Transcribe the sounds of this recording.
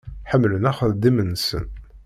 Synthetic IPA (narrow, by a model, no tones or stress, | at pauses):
ħəmːlənæχəðd̪ːimənːsə̰n